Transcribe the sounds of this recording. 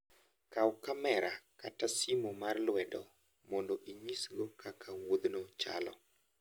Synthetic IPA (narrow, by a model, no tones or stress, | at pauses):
kawkamɛɾakatasimomarlwɛdɔ | mɔndoʔiɲisɡokakʰawod̪not͡ʃa̰lɔ̰